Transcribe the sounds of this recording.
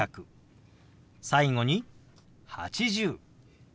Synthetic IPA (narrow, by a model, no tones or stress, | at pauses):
akɯ̟ | saiŋo̞ɲ̟i | ha̰t͡ɕiʑɨː